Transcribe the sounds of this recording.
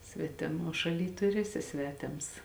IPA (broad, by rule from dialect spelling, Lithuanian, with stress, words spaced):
ˈsʲʋʲæːtʲɪˌmuɔ ˌʃɑːˌlʲiː tʊ ɪr ˈæːˌsʲɪ ˈsʲʋʲæːˌtʲeːms